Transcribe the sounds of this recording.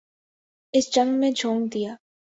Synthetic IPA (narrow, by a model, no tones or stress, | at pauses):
ɪsd͡ʒɐ̃ŋɡmẽd͡ʒʱoːŋd̪ijaː